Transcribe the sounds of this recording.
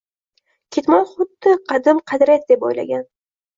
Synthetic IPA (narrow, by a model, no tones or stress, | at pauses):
kʲʰet̪mɒnχʊd̪ːɪqʰɑd̪ɪmqʰɑd̪ɾat̪d̪e̞po̰jla̰ɡʲan